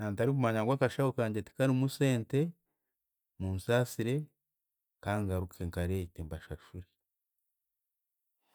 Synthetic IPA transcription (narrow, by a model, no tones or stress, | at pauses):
nantaɾikumaɲaŋɡwaːkaʃawukaːɲɟeti̥kaɾimuse̞ːnte̞ | mumusaːsiɾe̞ | kaːŋɡaɾukʰeŋkaɾetembaʃaʃuɾe